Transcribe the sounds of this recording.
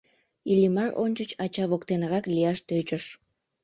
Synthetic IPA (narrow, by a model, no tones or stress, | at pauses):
ilimɑro̰nʲt͡ɕət͡ɕɑt͡ɕɑβokt̪enəɾɑklijɑʃt̪øt͡ɕəʃ